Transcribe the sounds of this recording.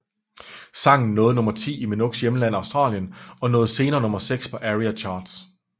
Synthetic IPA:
sɑ̈ŋ̰n̩nɔ̽ːð̞̩ˠnɔ̽mɐt͡sʰḭːimenoɡ̥sjeməlæn̰ɑ̈ʊsd̥ʁɑ̰̈ːljənɒ̽nɔ̽ːð̞̩ˠse̝ːnɐːnɔ̽mɐseɡ̥spʰɒ̽ʔæʁiæt͡ɕʰɑ̈ːd̥s

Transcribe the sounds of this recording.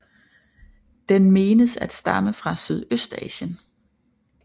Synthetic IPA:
d̥enme̝ːnəsæd̥sd̥ɑ̈məfʁɑ̈syð̞ˠøsd̥ɛ̰ːɕən

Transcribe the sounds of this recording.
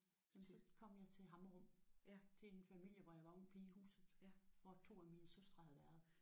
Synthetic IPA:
jemnsɒkʰɒ̽m̰jɑ̈ɪt͡sʰe̝lɦɑ̈mʁɔ̽m̰t͡sʰe̝enfæmil̰jəʋɒjɑ̈ʋɑ̈ɔnpʰihṵːsð̩ˠfɒt͡sʰo̝̰ːæminəsøsd̥ʁɐhæðˠʋæɐð̩ˠ

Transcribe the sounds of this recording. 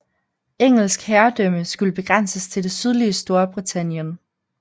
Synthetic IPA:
eŋ̰l̩sɡ̥hæɐd̥œməsɡ̥uləb̥e̝ɡ̥ʁan̰səst͡sʰe̝ld̥e̝syð̞ˠliəsd̥o̝ːɐb̥ʁit͡sʰæn̰jən

